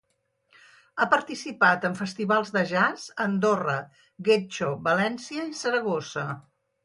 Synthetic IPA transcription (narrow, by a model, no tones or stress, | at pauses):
apəɾt̪isipat̪əɱfəst̪iβalˠzðəʒazənd̪orə | ɣet͡ʃoβəlɛnsiəisəɾəɣ̞osə